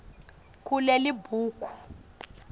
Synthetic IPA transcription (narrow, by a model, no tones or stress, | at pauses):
kulelibʱuːkʰʼu̥